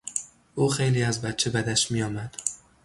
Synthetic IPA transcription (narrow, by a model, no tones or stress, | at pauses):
ʊχejliazbat̪̚t͡ʃʰabad̪aʃmɪjɒmad̪̥